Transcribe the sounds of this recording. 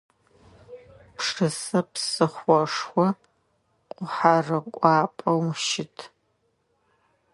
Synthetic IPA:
pʂɨsɐpsɨχʷɔʂxʷɔ | qʷʼʊħarɨkʷʼɑːpʼɐwʃɪtʰ

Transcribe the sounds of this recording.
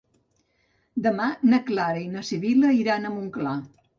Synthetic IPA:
d̪əmanəklaɾəinəsiβiləiɾanəmuŋkla

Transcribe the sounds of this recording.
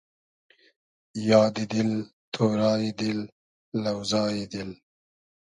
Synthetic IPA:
jɑːd̪id̪ɪl | t̪ʰoːɾɑːjid̪ɪlː | ɐwzɑːjid̪ɪl

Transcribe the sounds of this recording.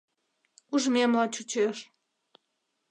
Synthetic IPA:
uʒmʲemlɑt͡ɕut͡ɕeʃ

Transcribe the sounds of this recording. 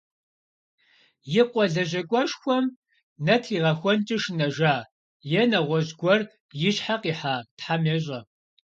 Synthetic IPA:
jɪqʷʼɔɮɐʑɐkʷʼɔʃxʷɔm | nɐtʰiːʁɐxʷɔnt͡ʃʼɪʂnɐʒaː | jɛnɐʁʷɔʑɡʷɔr | jɪɕħaqiːħaːtħameɕ̬ʼɐ

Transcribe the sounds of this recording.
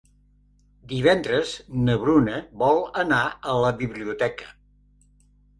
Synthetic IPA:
d̪iβ̞ɛnd̪ɾəznəβɾunəβɔlˠənaələβiβliut̪ɛkə̥

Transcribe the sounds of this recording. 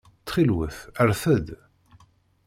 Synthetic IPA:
t͡sːχilwəθæɾθəd̪

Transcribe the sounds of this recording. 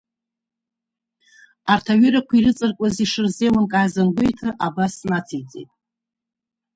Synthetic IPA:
artʰaɥʏɾakʷʰiɾɨt͡sʼɨrkʷʼaziʂɨrzewankʼaːzanɡʷejtʰɨʔabasnat͡sʰijt͡sʼḛjtʼ

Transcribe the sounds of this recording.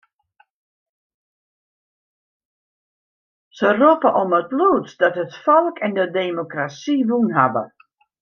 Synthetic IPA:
səropəʔomətluːtdɔtɦətfɔlˠkɛndədeːmokrasiʋunɦabə̰

